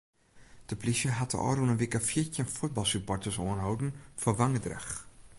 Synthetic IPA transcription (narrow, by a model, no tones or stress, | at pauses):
d̥əplisəɦatə̰ʔɔ̰ːɾunənʋikafitənfut̚bɑlˠsyppɔrtəsoənɦowdn̩fəʋaŋədrə̰x